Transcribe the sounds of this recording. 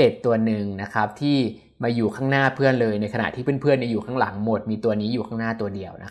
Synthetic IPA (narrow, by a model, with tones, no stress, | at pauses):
e˨˩t̪ːu˧ɐnɯ˨ŋna˦˥kʰa˦˥p̚t̪ʰiː˥˩ | maː˧juː˨˩kʰaː˥˩ŋnaː˥˩pʰɯ˥˩ənlɤː˧jna˧jkʰa˧na̰˨˩t̪ʰiː˥˩pʰe˥˩ənpʰɯ˥˩ənːiː˧˥˩juː˨˩kʰaː˥˩ŋla˩˦ŋmo˨˩t̪̚miː˧t̪u˧ɐniː˦˥juː˨˩aː˥˩ŋnaː˥˩t̪u˧ɐdi˧əwna̰˦˥kʰ